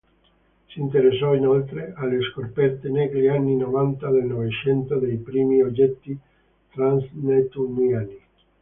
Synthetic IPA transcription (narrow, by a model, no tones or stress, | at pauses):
sint̪eɾesːɔinolt̪ɾealːeskorpɛrt̪enɛɡɾianːinovant̪ad̪elnovet͡ʃɛnt̪od̪ejpɾiːmiod͡ʒɛt̪ːi | t̪ɾansnet̪umilani